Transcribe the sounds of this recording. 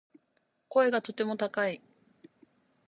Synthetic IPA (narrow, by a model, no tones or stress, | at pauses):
ko̞e̞ɡat̪o̞t̪e̞mo̞t̪akai